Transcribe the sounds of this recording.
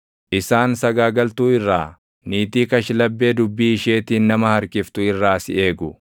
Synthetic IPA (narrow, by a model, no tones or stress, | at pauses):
ʔɪsaːnsɐɡaːɡɐlt̪uːɪrːaː | niːt̪iːkɐʃlɐbːe̞ːd̪ʊbːiːɪʃe̞ːt̪iːnnːɐmɐhɐɾkɪft̪ʊɪrːaːsɪe̞ːɡʊ